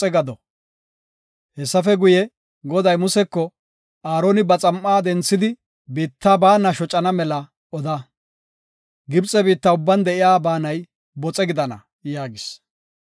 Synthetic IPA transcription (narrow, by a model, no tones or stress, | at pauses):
ɛɡɐd̪ɔ | hɛsːɐfɛɡʊjɛ | ɡɔd̪ɐjmʊsɛkːɔ | aːɾoːnɪbɐt͡sʼɐmːaːd̪ɛnt͡sːɪd̪ɪ | biːt̪ːaːbaːnɐʃɔt͡ʃʼɐnɐmɛlɐ | ɔd̪ɐ | ɡɪbt͡sʼɛbiːt̪ːɐʊbːɐnd̪ɛʔɪjaːbaːnɐj | bɔt͡sʼɛɡɪd̪ɐnɐ̰ | jaːɡɪs